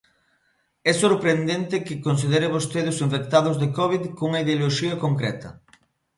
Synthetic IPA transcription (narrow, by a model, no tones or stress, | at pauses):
ɛsoɾpɾend̪ent̪ɪkɪkons̬ið̞eɾɪβost̪eðʊsiɱfek̚t̪aðʊzðekɔβ̞iðkouŋɐiðeoloʃiɐkoŋkɾɛ̰t̪ɐ̰